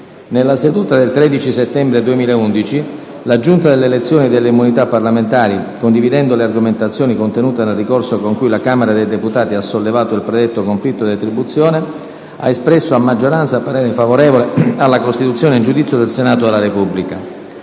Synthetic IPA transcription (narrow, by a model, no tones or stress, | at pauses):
nelːased̪uːt̪ad̪elt̪ɾed̪it͡ʃiset̪ːɛmbɾed̪uemiːlaeund̪it͡ʃi | lad͡ʒunt̪ad̪elːelet̪sːjoːnid̪elːeimunit̪apːarlament̪aːɾikond̪ivid̪ɛnd̪olearɡoment̪at̪sːjoːnikont̪enuːt̪enelrːikorsokoŋkujlakameɾad̪ejd̪eput̪aːt̪iasːolːevaːt̪oilpɾed̪ɛt̪ːokoɱflit̪ːod̪at̪ɾibut̪sːjoːne | a̰espɾɛsːoamːad͡ʒːoɾant̪sapaɾɛɾefavoɾɛːvolealːakost̪it̪ut̪sːjoːneind͡ʒud̪it̪sjod̪elsenaːt̪od̪elːaɾepubːlika